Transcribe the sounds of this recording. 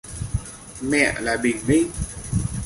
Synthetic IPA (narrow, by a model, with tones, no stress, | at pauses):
mɛ̰˧˨laː˨˩ɓï˨˩ŋmï˧ŋ